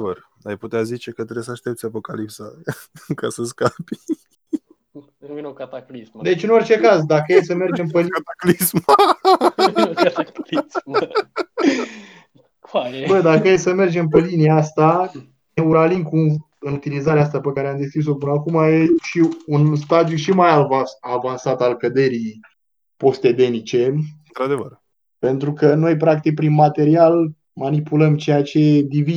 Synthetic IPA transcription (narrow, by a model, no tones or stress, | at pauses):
və̰r | ajput̪eazit͡ʃe̞kət̪ɾeesəaʃt̪e̞p̚t̪sʲapo̞kalipsa̰kasəskapi | at̪aklisd̪e̞t͡ʃɨno̞rt͡ʃe̞kazd̪akəjesəme̞rd͡ʒe̞mpelit̪aklism | l | bəd̪akəjesəme̞rd͡ʒe̞mpəliniaast̪a | neuɾalimku | ɨnut̪ilizaɾeas̬t̪apəkaɾeamd̪e̞skʲɾis̬o̞pɨnəakumaje̞ʃiunst̪ad̪juʃimajavaavansat̪alkəd̪e̞ɾi | po̞st̪e̞d̪e̞nit͡ʃe̞ɨnt̪ɾad̪evər | pe̞nt̪ɾukəno̞jpɾak̚t̪ik̚pɾinmat̪e̞ɾial | manipuləmt͡ʃe̞jat͡ʃe̞d̪ivi